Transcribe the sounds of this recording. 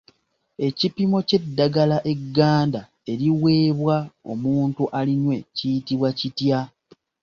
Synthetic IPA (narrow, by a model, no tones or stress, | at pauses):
e̞cipimo̞ce̞dːaɡalaʔe̞ɡːaːnda | e̞ɾiwe̞ːβwao̞̰muːntuʔalinwe̞cijitiβwacitja